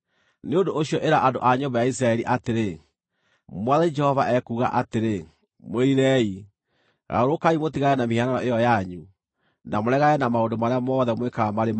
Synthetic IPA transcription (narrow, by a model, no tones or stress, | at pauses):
neondoʔoɕiɔʔeɾaʔandoʔaɲombajais̬ɾaɛɾiʔateɾe | mwaðaid͡ʒɛhɔvaʔɛkuːɣa̰ʔateɾe | moiɾɛi | ɣa̰oɾokaimotiɣaɛnamihiananɔʔejɔjaɲu | namoɾɛɣaɛnamaondomaɾeamɔðɛmwekaamaɾem